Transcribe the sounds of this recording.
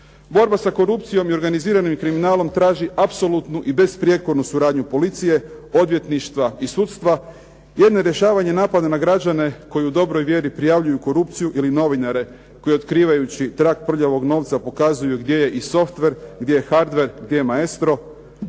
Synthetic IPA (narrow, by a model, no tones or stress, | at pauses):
bo̞ɾbasako̞ɾup̚t̪sijo̞mio̞ɾɡaniziːɾanimkɾiminaːlo̞mt̪ɾaːʒiʔapso̞lut̪nuʔibe̞spɾje̞koɾnusuɾaːd̪ɲupo̞lit̪sije̞o̞d̪ʋje̞t̪niʃt̪ʋaisuːt̪st̪ʋa | jed̪no̞ɾje̞ʃaːʋaɲe̞naːpad̪anaɡɾad͡ʑane̞ko̞jiud̪o̞bɾo̞jʋje̞ɾipɾijaʋʎujuko̞ɾupt̪sijuʔilino̞ʋinaɾe̞ | ko̞jio̞t̪kɾiːʋajut͡ɕit̪ɾakpr̩ʎaʋo̞ɡno̞ːʋt̪sapo̞kazujuɡd̪je̞je̞ʔiso̞ft̪ʋe̞ɾɡd̪je̞jexaɾd̪ʋe̞ɾɡd̪je̞jemaest̪ɾo̞